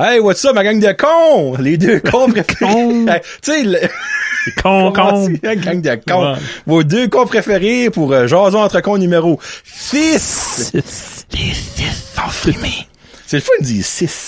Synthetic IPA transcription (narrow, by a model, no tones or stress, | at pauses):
ɛɪwat̪sɔmaɡaŋd̪əkʰɔ̃led̪økʰɔ̃pʁefeʁeɛ | t̪t͡selə | kʰɔ̃kiɡaŋd̪əkɔ̃voːd̪økɔ̃pʁefeʁepuʁəʒɑ̃ːzɔ̃ɑ̃t̪ʁəkɔ̃nymeʁosɪs | lesɪsfime | selfɔnd͡ziːsɪs